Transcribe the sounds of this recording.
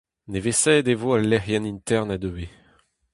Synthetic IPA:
nevesɛːd̪evoalːɛʁjɛnint̪ɛʁnad̪øe

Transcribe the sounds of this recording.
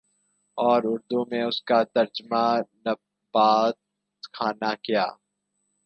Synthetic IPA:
ɔːɾʊɾd̪umẽʊskat̪ɐɾd͡ʒmanɐ | baːt̪ | kʰaːnakijaː

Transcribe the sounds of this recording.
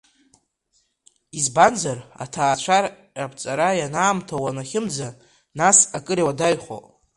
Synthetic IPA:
izbanzara̰tʰaːt͡ʃʷʰar | apʰʼt͡sʼaɾajanaːmtʰawanaχʲɪmd͡za | nasakʼɨɾiwadajχo̰

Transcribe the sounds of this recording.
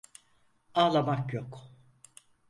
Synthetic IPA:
aːlˠamakjok

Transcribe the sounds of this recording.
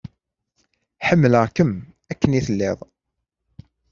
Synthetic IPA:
ħəmːləʁkəm | ækːəniθəlːɪðˤ

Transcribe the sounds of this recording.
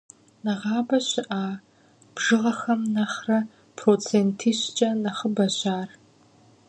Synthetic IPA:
nɐʁɑːbɐɕɪʔaː | b̥ʒɨʁɐxɐmnɐχrɐ | pʰroːt͡sʰeːntʰiːɕt͡ʃʼɐnɐχəbɐɕaːr

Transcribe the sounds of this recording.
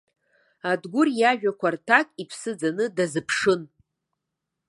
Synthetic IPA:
adɡʷʊrjaʒᶣakʷartʰakʼipʰsɨd͡zanɨdazɨpʰʂɨn

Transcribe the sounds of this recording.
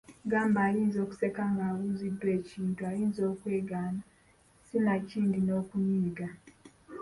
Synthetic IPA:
ɡaːmbaːliːnzo̞ːku̥se̞kaŋɡaːwuːzidːwe̞ːciːntuaɾiːnzo̞ːkwe̞ːɡaːna | sinaciːndino̞ːkuniːɡa

